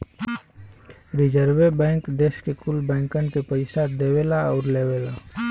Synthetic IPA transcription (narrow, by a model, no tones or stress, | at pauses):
ɾɪd͡ʒəɾʋebɛ̃ːŋkd̪eːskekʊlbɛ̃ːŋkənkepəɪsad̪ewelaɔːɾleʋela